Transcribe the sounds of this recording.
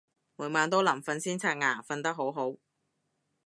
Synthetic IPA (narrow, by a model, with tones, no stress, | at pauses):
muː˨˩maː˨˧nt̪o˥lɐ˨˩mfɐ˧nsiː˥nt͡sʰaː˧˥t̚ŋaː˨˩fɐ˧nt̪ɐ˥k̚ɦo˨˥wɦo˨˥w